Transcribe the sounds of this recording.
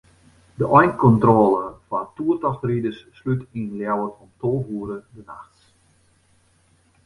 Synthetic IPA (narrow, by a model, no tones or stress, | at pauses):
dəʔɔjnkɔntroːlˠəfatuərtɔxtridəsːlytiːnljawətʰɔmtʰoːɦuːɾədənaxts